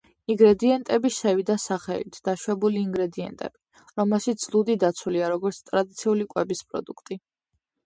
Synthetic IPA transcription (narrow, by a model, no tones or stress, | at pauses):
iŋɡɾɛd̪iɛnt̪ʼɛbiʃɛvid̪asaχɛ̰lḭt̪ʰd̪̥aʃwɛbuliːŋɡɾɛd̪iɛ̰nt̪ʼɛ̰b̥i | ɾɔmɛlˠʃit̪slˠud̪id̪at̪sʰuliaɾɔɡɔɾt̪sʰt̪ʼɾad̪it̪sʰiulikʼwɛbispʼɾɔ̰d̪ukʰt̪ʼi